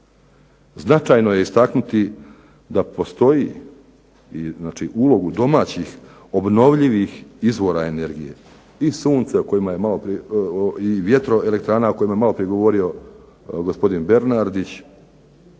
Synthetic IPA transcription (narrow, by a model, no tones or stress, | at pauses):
znat͡ʃajnoje̞ist̪aknut̪i | d̪apo̞st̪o̞ji | iznaːt͡ʃiʔulˠo̞ɡud̪o̞maːt͡ɕix | o̞bno̞ʋʎiʋixizʋo̞ɾae̞ne̞ɾɡije | isuːnt̪seoko̞jimajemalo̞pɾi | iʋje̞t̪ɾo̞e̞le̞k̚t̪ɾaːnaoko̞jimajemalˠo̞pɾijeɡo̞ʋo̞ɾio̞ | ɡo̞spo̞d̪inbe̞ɾnaɾd̪it͡ɕ